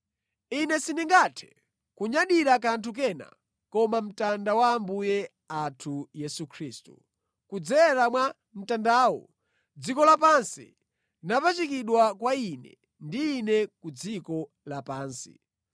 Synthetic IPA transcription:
inɛsiniŋɡatʰɛ̥ | kuɲaɗiɾak̬antʰuk̬ɛna̰ | kɔmam̩tandawaːmbujɛ | atʰujɛsukʰɾiːstu | kud͡zɛɾamwa | m̩tandaːwɔ̰ | d͡zikɔlapansḭ | napat͡ʃikiɗwakwainɛ̰ | ndiːnɛkud͡zikɔ | lapaːnsi̥̰

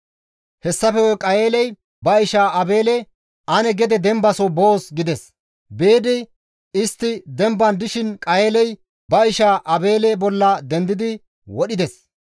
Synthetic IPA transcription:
hɛsːɐfɛwɔkʼɐjeːlɛj | bɐɪʃaːʔɐbe̞ːlɛ | ʔɐnɛɡɛd̪ɛd̪ɛmbɐsoboːsɡɪd̪ɛs | beːd̪ɪ | ɪst̪ːɪd̪ɛmbɐnd̪ɪʃɪnkʼɐjeːlɛj | bɐɪʃaːʔɐbe̞ːlɛbɔlːɐd̪ɛnd̪ɪd̪ɪ | wɔɗɪd̪ɛs

